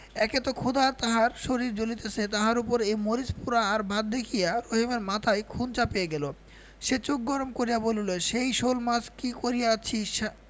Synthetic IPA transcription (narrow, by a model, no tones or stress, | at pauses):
ɛket̪okʰud̪at̪aɦaɾʃoɾiɾd͡ʑolit̪et͡ɕʰet̪aɦaɾupoɾejmoɾispuɾaːɾbʱad̪̚d̪ekʰijaɾoɦimeɾmat̪ʰajkʰunt͡ɕapejeɡɛlo | ʃet͡ɕok̚ɡɔɾomkoɾijaboluleʃejʃolmaskikoɾijat͡ɕʰiʃa